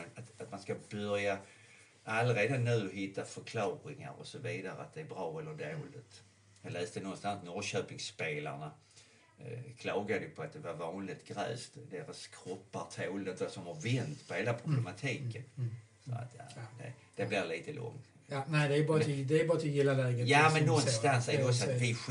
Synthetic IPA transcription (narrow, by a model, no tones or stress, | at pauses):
at̪at̪manskabœɾja | ʔalːɾeːd̪anʉ̟ːɦɪt̪ʰːafœɾkʰlɑːɾɪŋa̰ɾɔ̰sɔviːd̪aɾə̰a̰t̪̚d̪ɛæɾbɾɑːɛlːəd̪oːlɪt̪ | jɑːɡlɛːsd̪ənɔnst̪ansnɔɾɕœːpɪŋspeːla̰ɳa | kʰlɑːɡad̪əjpʰɔat̪̚d̪ɛvaɾvɑːnlɪt̪ɡɾɛ̰ːst̪d̪eːɾaskʰɾɔpːaɾt̪ʰeːld̪ət̪d̪osɔmhaɾvɛnt̪pʰɔheːlapʰɾʊblɛmat̪ʰiːkən | sɔ̰a̰t̪jad̪ɛ̰ | d̪̥ɛblɪɾliːt̪əlɔ̰ŋ | næɪd̪ɛbɑɾd̪ɛbɑːat̪ʰɪjɪlːalɛːɡəjamɛnːɔnːst̪ansɛɾdɛɔksɔat̪vɪ